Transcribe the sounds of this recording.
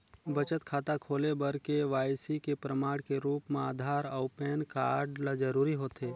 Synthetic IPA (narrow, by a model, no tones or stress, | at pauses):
bɐt͡ʃət̪kʰaːt̪akʰoːlebəɾkeʋaːjsikepɾəmaːɽkeɾuːpmẽaːd̪ʱaːɾɐʊpeːnkaːɾɖlad͡ʒəɾuːɾiɦoːt̪eː